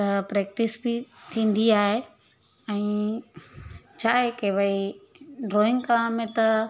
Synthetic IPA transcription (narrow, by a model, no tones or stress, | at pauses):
t̪ɐpɾɛːk̚ʈɪsbit̪ʰĩːn̆d̪iaːɦe | ɛ̃ː | t͡ɕʰaːɦekeːbəi | ɖɾoːɪ̃ŋɡkãmẽt̪ɐ